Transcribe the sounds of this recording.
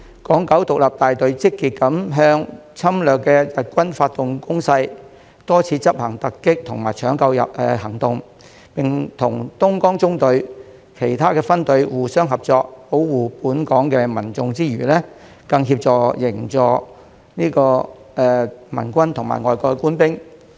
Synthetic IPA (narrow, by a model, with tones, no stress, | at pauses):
kɔː˨˥ŋkɐ˨˥wt̪ʊ˨k̚lɐ˨p̚t̪aː˨jt̪ɵ˨˧ɥt͡sɪ˥kːiː˨t̚kɐ˨˥mɦœː˧ŋ | t͡sʰɐ˥mlœː˨kːɛː˧jɐ˨t̚kʷɐ˥nfaː˧t̚t̪ʊ˨ŋkʊ˥ŋsɐ˧j | t̪ɔː˥t͡sʰiː˨˧˥t͡sɐ˥p̚hɐ˨˩ŋt̪ɐ˨kːɪ˥k̚t̪ʰʊ˨˩ŋmaː˨˩jt͡ʃʰœː˨˥ŋkɐ˧wjɐ̰˨p̚ɛː˧hɐ˨˩ŋt̪ʊ˨ŋ | pɪ˨˩ŋt̪ʰʊ̰˨˩ŋt̪ʊ˥ŋkɔː˥ŋt͡sʊ˥ŋt̪ɵ˨˧ɥ | kʰe˨˩jt̪ʰaː˥kɛː˧fɐ˥nt̪ɵ˨˧ɥwuː˨sœː˥ŋɦɐ˨p̚t͡sɔː˧k̚po˨˥wwuː˨puː˨˥nkɔː˨˥ŋkɛː˧mɐ˨˩nt͡sʊ˨ŋt͡siː˥ɥyː˨˩lɛː˥ | kɐ˧ŋɦiː˧p̚t͡sɔː˨˧jɪ˨˩ŋt͡sɔː˨˩ | niː˥kɔː˧ | ʔɛː˨mɐ̰˨˩nkʷɐ˥nt̪ʰʊ˨˩ŋma̰ː˨˩jŋɔː˨jkɔː˧kuː˥npɪ˥ŋ